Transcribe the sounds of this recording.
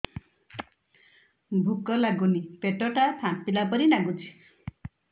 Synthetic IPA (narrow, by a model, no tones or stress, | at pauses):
bʱukɔlaɡunipeʈɔʈap̪ʰãpilapɔɾinaɡut͡ʃʰi̥